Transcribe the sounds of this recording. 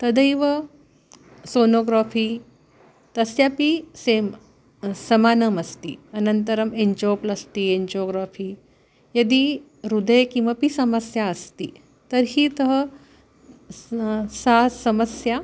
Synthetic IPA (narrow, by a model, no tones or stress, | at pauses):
t̪ɐd̪əjʋɐ | soːnoːɡɾaːfʰiː | t̪ɐsjapisem | sɐmaːnɐmɐst̪ḭɐnɐnt̪ɐɾɐmeɲd͡ʒoːplɐst̪ieɲd͡ʑoːɡɾaːfʰiː | jɐd̪i | ɾud̪əjkĩmʋɐpisɐmɐsjaɐst̪ḭ | t̪ɐɾɦiːt̪ɐɦə | saːsɐmɐsja